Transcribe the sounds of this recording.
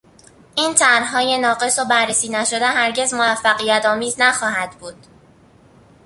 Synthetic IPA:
ʔiːnt̪ʰæɾɦɒːje̞nɒːɢe̞sobæɾːesiːnæʃo̞d̪eɦæɾɟe̞zmovæfːæɣijæt̪ʰɒːmiːznæxɒːhæd̪buːd̪̥

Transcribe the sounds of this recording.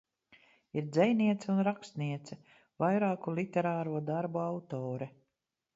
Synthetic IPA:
iɾd̪zɛjniɛt̪sɛunɾakst̪niɛt̪sɛ | vajɾaːkulˠit̪ɛɾaːɾuɔd̪aɾbuawt̪ɔːɾɛ

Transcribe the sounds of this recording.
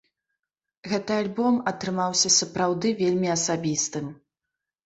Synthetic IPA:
ɣɛt̪ɨalʲbɔmɐt̪ɾɨmawsʲɐsɐpɾawd̪ɨvʲelʲmʲiɐsabʲist̪ɨm

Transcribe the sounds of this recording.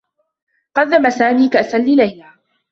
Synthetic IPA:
qɑðːamasaːmiːkaʔasalːiːlajnaː

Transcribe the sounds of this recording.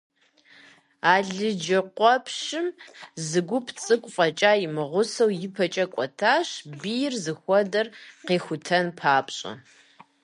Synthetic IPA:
aːɮɨd͡ʒɐqʷɔpʰʃɪmzɨɡʷʊpʰt͡sʼɨkʷʼfʼɐt͡ʃʼaːjɪmɨʁʷʊsɐwjɪpʰɐt͡ʃʼɐkʷʼɔtʰaːɕbijɪrzɨxʷɔdɐrqeːxʷʊtʰɐnpʰaːpʰɕʼɐ̰

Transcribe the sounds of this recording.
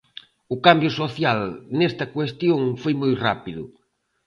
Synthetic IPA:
ʊkambjʊsoθjalnest̪ɐkwest̪joŋfojmojra̰piðʊ̰

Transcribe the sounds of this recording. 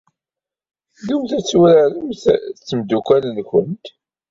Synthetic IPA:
ðumθæt͡sːwɾaɾəmθt͡sːəmd̪ukælənkʊnt̪

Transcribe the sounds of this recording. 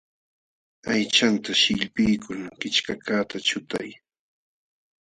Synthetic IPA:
ajt͡ʃant̪aʃɪʎpɪjkʰʊŋkɪt͡ʃkakaːt̪at͡ʃʊt̪aj

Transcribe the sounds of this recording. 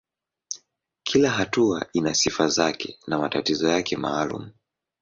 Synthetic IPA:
kʰilaɦatua̰inasifazakʰɛnamatatizɔjakʰɛmaːlṵm̩

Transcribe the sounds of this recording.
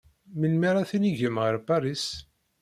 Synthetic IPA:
minmiɾˤaθiniʝəmʁəɾbaɾˤis

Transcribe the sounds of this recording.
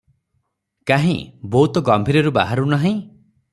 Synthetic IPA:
kaɦḭ̃bout̪ɔɡɔmbʱiɾɔɾuba̰ɦaɾunaɦĩ

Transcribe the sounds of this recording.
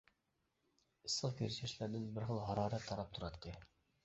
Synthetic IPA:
ɨsːəʁkʲʰyɾʃɪʃlæɾd̪ɪnbɪɾχəlˠɦɑɾɑːɾɛt̪ʰːɑɾɑp̚t̪ʰuɾɑd̪ɪkʲʰːɛ

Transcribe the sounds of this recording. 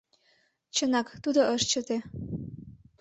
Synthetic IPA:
t͡ɕənɑkt̪ud̪oʔəʃt͡ɕə̆t̪e

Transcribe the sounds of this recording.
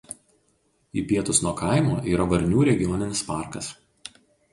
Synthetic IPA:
iːpʲiɛt̪ʊsnuɔkɐˑɪmoːʔiːɾɐʋɐɾʲnʲuːɾʲɛɡʲɪjoːnʲɪnʲɪspɑˑɾkɐs

